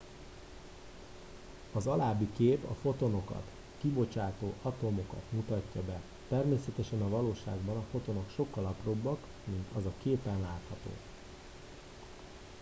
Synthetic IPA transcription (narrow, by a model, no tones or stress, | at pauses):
ɒzɒlaːbːikeːpɒ̰fo̞t̪o̞no̞kɒ̰t̪ | kibo̞t͡ʃaːt̪oːʔɒt̪o̞mo̞kɒ̰t̪mut̪ɒcːɒbɛ | t̪ɛrmeːsɛt̪ɛʃɛnɒvɒloːʃa̰ːɡbɒnɒfo̞t̪o̞no̞kʃo̞kːɒlɒpro̞bːɒk | mint̪ʰɒzɒkeːpɛnlaːt̪hɒt̪o̰ː